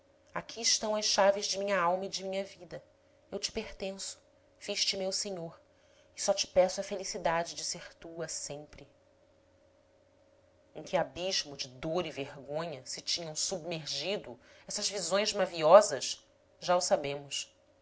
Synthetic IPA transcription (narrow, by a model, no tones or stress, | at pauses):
akʲʰiːʃt̪ɐ̃w̃ɐʃʃavɪzd͡ʒɪmĩɲɐawmɐid͡ʒɪmĩɲɐvid̪ɐ | ewt͡ʃɪ̥peɾt̪ẽsʊ̥ | fiʃt͡ʃɪmewseɲoɾ | ɪsɔt͡ʃɪ̥pɛsʊɐfelisid̪ad͡ʒɪd͡ʒɪseɾt̪uɐsẽmpɾɪ | ẽkʲɪabiʒmʊd͡ʒɪd̪oɾiveɦɡõɲɐsɪt͡ʃĩɲɐ̃w̃submeɾʒid̪ʊɛsɐzvizõj̃zmaviɔzɐʃ | ʒaʊsabẽmʊs